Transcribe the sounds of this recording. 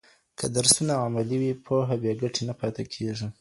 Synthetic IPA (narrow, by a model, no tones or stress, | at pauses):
kʰad̪aɾsunaamaliwipʰoɦabjeɡaʈʰenapɑt̪akʰeʐi